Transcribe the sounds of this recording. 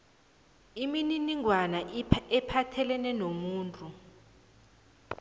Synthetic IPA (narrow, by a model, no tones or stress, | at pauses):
imininiŋwanaɛpʰatʰɛlɛnɛnomuːntʼu